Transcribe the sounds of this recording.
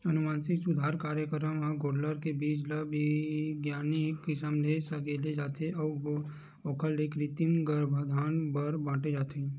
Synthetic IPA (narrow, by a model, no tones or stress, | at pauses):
ənumaːnsɪksʊd̪ʱaːɾkaːɾjəkəɾəmãɡoːɖləɾkebiːd͡ʒlaʋiɡjaːnikɪsəmlesəkeːled͡ʒaːt̪ʰeɔː | ɔːkʰəlːekɾit̪imɡəɾbʱad̪ʱaːnbəɾbãːʈed͡ʒaːt̪ʰe